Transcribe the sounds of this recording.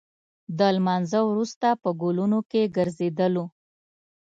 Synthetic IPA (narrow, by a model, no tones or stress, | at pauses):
d̪əlmɑnzəwɾust̪apəɡolunokeɡəɾzed̪əlo